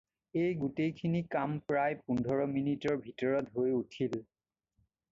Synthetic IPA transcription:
ejɡutejkʰinikampɹajpundʱɔɹɔminitɔɹbʱitɔɹɔtɦojutʰil

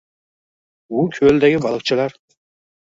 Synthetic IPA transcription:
bʊkʲʰøld̪æɡʲɪbɑlˠɨq̚t͡ʃʰɪlaɾ

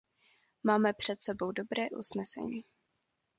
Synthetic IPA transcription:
maːmɛpr̝̥ɛt̪sɛbo̞wdo̞bɾɛːʔṵsnɛsɛ̰ɲiː

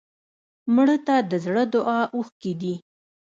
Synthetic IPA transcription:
mɽət̪ad̪əzɽəd̪ʊʔɑʔuxked̪i

